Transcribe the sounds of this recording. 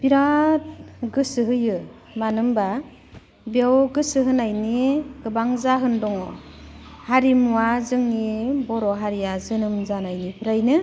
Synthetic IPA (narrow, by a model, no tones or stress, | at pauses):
b̥iɾat̚ɡɯsɯɦɯjɯ | manɯmba | biawɡɯsɯɦɯnajniɡɯbaŋzaɦɯndɔŋɔ | haɾimuwazɯŋibɔɾɔɦaɾijazɯnɯmzanajnipʰɯɾajnɯ